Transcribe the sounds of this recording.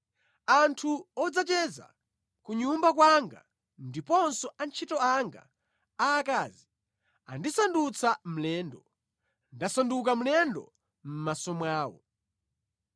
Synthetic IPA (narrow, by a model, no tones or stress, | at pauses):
antʰuɔd͡zat͡ʃɛza̰ | kuɲumbak̬waŋɡa̰ | ndipɔnsɔant͡ʃʰitɔaŋɡa̰ː | kaːzi | a̰ndisandut͡sʰam̩lɛːndɔ | ndasanduk̬am̩lɛndɔ̰ | m̩masɔmwaːwɔ̰